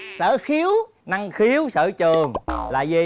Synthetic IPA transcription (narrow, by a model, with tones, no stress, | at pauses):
sə̰ː˧˩˦xi˨˦əw | na˧ŋxi˨˦əwsə̰ː˧˩t͡ɕɨ˨˩əŋla̰ː˨˩zi˨˩